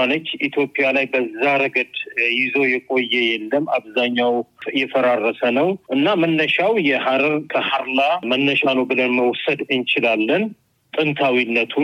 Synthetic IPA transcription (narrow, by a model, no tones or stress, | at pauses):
alət̪it̪ʰjo̞pʼijalajbəzːaɾəɡəd̪jɪzo̞jɛkʼo̞jːɛjɛlːəmːa̰βzaɲːawjɛfəɾarːəsənəwʔɨnːamənːəʃawjɛhaɾəɾkʰəhaɾlamənːəʃanəbɨlənməwsəd̪ɨnt͡ʃɪlalːən | t̪ʼɨnt̪ʰawinːət̪ʰu